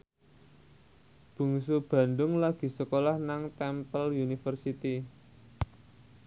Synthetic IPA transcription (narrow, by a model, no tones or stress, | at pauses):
b̥ṳŋsub̥ä̤nd̪ʊŋlaɡ̥i̤səkolahnaŋt̪ɛmpəljunifərsit̪i